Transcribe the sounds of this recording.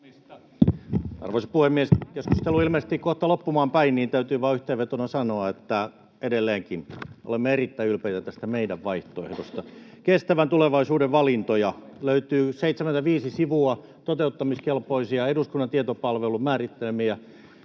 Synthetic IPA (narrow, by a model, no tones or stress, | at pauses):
ist̪ | ɑ̰rʋoisɑpuhemːieskesku̥st̪eluilmest̪ikkoht̪ɑlopːumɑːmpæinniːnt̪æyt̪yːʋɑːyht̪eːʋʋet̪onɑsɑnoɑet̪ːæ | edelːeːŋkino̰lemːeerit̪ːæiylpeit̪æt̪æst̪æmeidæʋʋɑiht̪oḛhdost̪ɑkest̪æʋænt̪uleʋɑisuːdeʋʋɑlint̪ojɑ | løyt̪yːseit̪sement̪æʋiːsisiʋuɑ | t̪ot̪eut̪ːɑmiskelpoisiɑeduskunːɑnt̪iet̪opɑlʋelumæːrit̪ːelemijæ